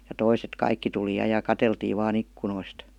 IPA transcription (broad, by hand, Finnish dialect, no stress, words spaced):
jɑ toiset kɑikːi tuli jɑ jɑ kɑteltiːʋ ʋɑːn ikːunoist